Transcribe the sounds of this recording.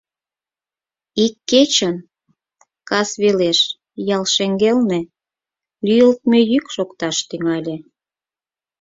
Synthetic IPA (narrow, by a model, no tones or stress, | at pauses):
ikːet͡ɕən | kɑsβeleʃ | jɑlʃeŋɡelne | lʲyjəlt̪̚møjykʃokt̪ɑʃt̪yŋɑlʲe